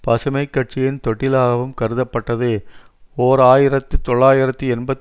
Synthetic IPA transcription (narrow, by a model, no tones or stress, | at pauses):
pɐsɐmɐɪkːɐʈ̚t͡ʃɪjɪnt̪ɔʈːɪlaːɣɐʋɯmkɐɾɯðɐpːɐʈːɐðɯ | oːɾaːjɪɾɐt̪ːɯt̪ɔɭːaːjɪɾɐt̪ːɯɛnbɐt̪